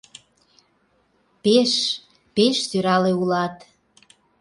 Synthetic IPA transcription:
peʃ | peʃsyɾɑleulɑt̪

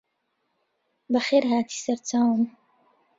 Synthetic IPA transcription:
bɐxeːɾɦaːt̪ʰi̥ːsɐɾt͡saːwəm

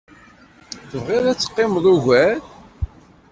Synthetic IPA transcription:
θəvʁɪðˤæt͡sːə̥qːɪmðˤuʝæ

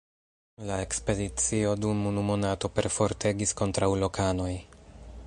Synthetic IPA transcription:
lae̞kspe̞dit͡sio̞dumunumo̞nato̞pe̞̰ɾfo̞ɾtʰe̞ɡisko̞ntɾawlo̞kʰano̞j

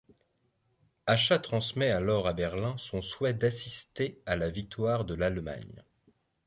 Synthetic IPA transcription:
aʃat̪χɑ̃smɛalɔʁabɛʁlɛ̃sɔ̃swɛd̪asist̪ealavik̚t̪waʁd̪əlalma̰ɲ

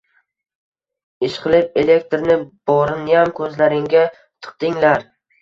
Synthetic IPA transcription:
ɪʃqʰɨlɪpe̞le̞k̚t̪ɾnɪb̥ɒɾɪnjamkʰɵzlaɾɪŋɡʲa | t̪ʰɨ̥q̚t̪ɪŋlaɾ

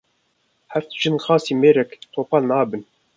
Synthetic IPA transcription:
hɛftʒ̥ɨnxɑːsiːmeːɾɛkt̪ʰoːpɑːnɑːbɨn

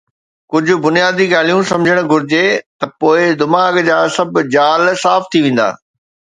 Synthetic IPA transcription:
kʊd͡ʑʱʊ̆bʊnijaːd̪iɡaːl̤ijũsɐ̃md͡ʑʱəɽ̃̆ɡʱʊɾɪd͡ʑet̪ɐpoːɪd̪ɪmaːɡd͡ʑaːsɐbʱd͡ʑaːlsaːft̪ʰiʋẽːn̆d̪a̰ː

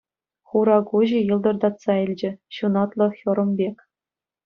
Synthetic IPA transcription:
χuɾɑkuʑĭjɤ̆lˠd̪ɤ̆rd̪ɑt̪sɑilʲd͡ʑɘ̆ɕunɑt̪lˠɤ̆xʲɤ̆ɾɤ̆mbʲekʲ

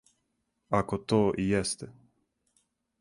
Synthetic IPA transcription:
akot̪oːʔijɛst̪ɛ

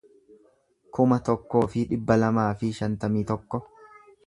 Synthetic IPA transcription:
kʊmɐt̪ɔkːo̞ːfɪᶑɪbːɐlɐmaːfɪʃɐnt̪ɐmiːt̪ɔkːɔ

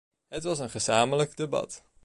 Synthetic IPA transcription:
ɦətʋɑsənχəzaːmələkdebɑ̰t

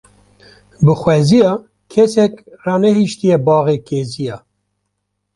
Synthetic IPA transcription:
bɨxwɛzijɑː | kʰɛsɛkrɑːnɛɦiʃt̪ijɛbɑːɣeːkeːzijɑː

